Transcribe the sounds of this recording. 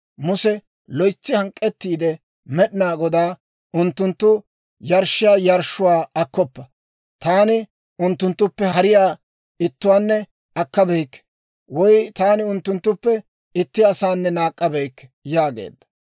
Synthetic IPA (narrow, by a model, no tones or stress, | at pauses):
mʊsɛ | lɔjt͡sːɪhɐŋkʼːɛt̪ːiːd̪ɛ | mɛɗɪnaːɡɔd̪aː | ʊnt̪ːʊnt̪ːʊ | jɐɾʃɪjaːjɐɾʃʊwaːɐkːɔpːɐ | t̪aːnɪ | ʊnt̪ːʊnt̪ːʊpːɛɦɐɾɪjaː | ɪt̪ːʊwaːnːɛ | ɐkːɐbɛjkː | wɔjt̪aːnɪʊnt̪ːʊnt̪ːʊpːɛ | ɪt̪ːɪɐsaːnːɛnaːkʼːɐbɛjkːjaːɡḛːd̪ːɐ̥